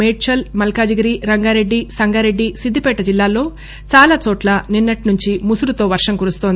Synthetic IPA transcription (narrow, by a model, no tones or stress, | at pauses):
meːʈ̚t͡ʃɐlmɐlkaːd͡ʒɐɡɐɾiɾɐŋɡaːɾe̞ɖːisɐŋɡaːɾeɖːisid̪ʱːipɛːʈɐd͡ʒilːaːlo̞ː | t͡ʃaːlaːt͡ʃɔːʈlɐninːɐʈnuɲt͡ʃimusuɾut̪o̞ːʋɐɾʂɐmkuɾust̪oːnd̪i